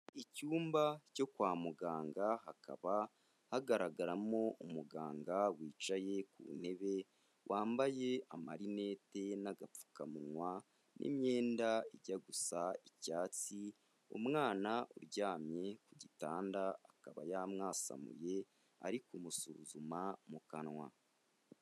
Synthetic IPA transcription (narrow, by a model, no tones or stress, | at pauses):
icuːmbaco̞kwaːmuɡaːŋɡaɦakʰa̰βa | haɡaɾaɡaɾamo̞umuɡa̰ːŋɡawiːt͡ʃaje̞kṵːne̞βe̞ | wʔaːmbaje̞amaɾine̞ːte̞naɡap͡fu̥kamunwa | nʔḭmɲe̞ːndaiɟaɡusaicaːt͡si | ṵmŋaːnaʔṵɾɟaːmɲe̞kuɟitaːndaːkaβa̰jamŋaːsa̰mṵje̞ | a̰ɾikumusuɾuzumamukanwa̰